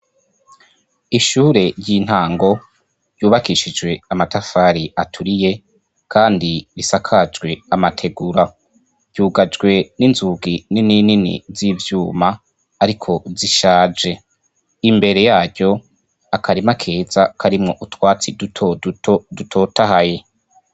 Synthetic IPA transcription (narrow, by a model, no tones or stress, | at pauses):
iʃuːɾe̞ɾjɟiːn̥haːŋɡo̞ | ɾjuːβakiʃid͡ʒɡwe̞amatafaːɾiatʰuɾije̞ | kʰaːndiɾisakʰad͡ʒɡwe̞amatʰe̞ɡuɾa | ɟ̥uːɡad͡ʒɡwe̞ninzuːɡininininḭzivjuːmaː | ɾikʰo̞ziʃaːd͡ʒe̞ | imbe̞ɾe̞jaːɟɟo̞ | akʰaɾimakʰe̞ːz̥akʰaɾimŋo̞ʔutwaːt͡sidut | dutʰo̞ːtahaje̞